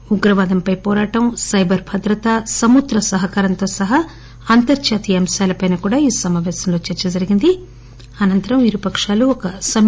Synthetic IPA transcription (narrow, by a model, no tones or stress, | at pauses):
uɡɾɐʋaːd̪ɐmpɐjpɔːɾaːʈɐmsɐjbʱɐɾbʱɐd̪ɾɐt̪asɐmud̪ɾɐsɐɦɐkaːɾɐnt̪o̞ːsɐɦɐ | ɐnt̪ɐɾt͡ʃaːt̪ijɐmsaːlɐpɐjnɐkuːɽaːiːsɐmaːʋɛːsɐmlo̞ːt͡ʃɛɾt͡ʃɐd͡ʒɐɾiɡind̪i | ɐnɐnt̪ɐɾɐmʋiɾupɐkʂaːluɔkɐsɐm